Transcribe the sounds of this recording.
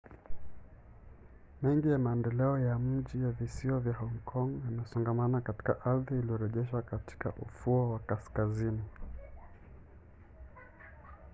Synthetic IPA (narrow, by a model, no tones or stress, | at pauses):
mɛŋɡijamaɛndɛlɛɔjam̩ʄijavisiwavjahɔŋkʰɔŋjamɛsɔŋɡamanakati̥ka̰ʔaɾðiːliɔɾɛʄɛʃwakati̥ka̰ʔṵfuɔwakaskazini